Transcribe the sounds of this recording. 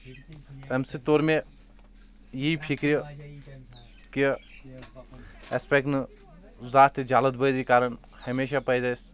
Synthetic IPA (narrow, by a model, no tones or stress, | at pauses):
ɐmsit̪oːɾmẽ | jiipʰikɾi | ki | espek̚ʈnɨ | zaːt̪d͡ʒaːlət̪̚bəjd̪ikaːɾən | hɐmeːʃapəjd͡ʒajs